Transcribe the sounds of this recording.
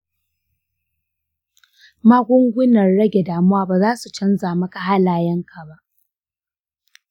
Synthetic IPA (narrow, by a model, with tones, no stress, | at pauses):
maː˦ɡʷʊ˦ŋɡʷʊ˦nɐ˨rɽɐ˦ɡʲe˨daː˨mʊ˦waː˦baː˨zaː˦su˨t͡ʃɐ˦nzaː˨mɐ˦ka˨ɦa˦laː˨jɐ˦ŋkʰa˨ba˦ʔ